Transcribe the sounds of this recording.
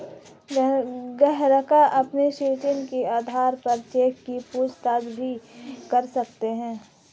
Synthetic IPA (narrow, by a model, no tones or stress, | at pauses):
ɡɛɦɾəkaʔɐpneʃɪɾt͡ʃənkiaːd̪ʱaːɾpɐɾt͡ʃeːkkipuːd͡ʒt̪aːd͡ʒbʱikɐɾsɐkt̪eɦɛ̃ː